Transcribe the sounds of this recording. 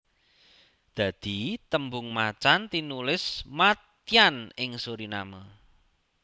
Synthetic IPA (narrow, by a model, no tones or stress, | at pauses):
d̪̥ä̤d̪̥i̤t̪əmbʊŋmat͡ʃant̪inulɪsmat̪ianɪŋsoɾinamə